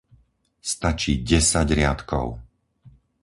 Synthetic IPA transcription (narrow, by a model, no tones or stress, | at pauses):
st̪at͡ʃiːɟɛsaɟɾɪat̪kɔ̰ʊ